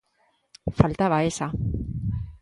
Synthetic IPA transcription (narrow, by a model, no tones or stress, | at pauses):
falt̪aβaesa